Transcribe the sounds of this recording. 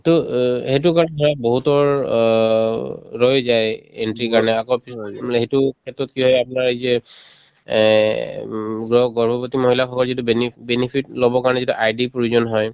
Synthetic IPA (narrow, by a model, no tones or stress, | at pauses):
tɔhetʊkaɹɔnɛɔɹaboɦutɔɹ | ɹɔjzajḛntɹikaɹɔnɛakɔɹpisɦetukʰɛtɹɔtkiɦɔjapnaɹezɛ | ɡɔɡɔɹbɔpɔtimoɦilakʰɔkɔɹzitubenibenipʰitlobɔkaɹɔnɛzituʔajdipoɹuzɔnɦɔj